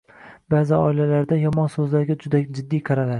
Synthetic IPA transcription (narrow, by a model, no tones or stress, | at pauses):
bazɪɒɪlalaɾd̪ajɒmɒnsɵzlaɾɡʲad͡ʒʊd̪ad͡ʒɪd̪ːijqʰɑɾalaɾ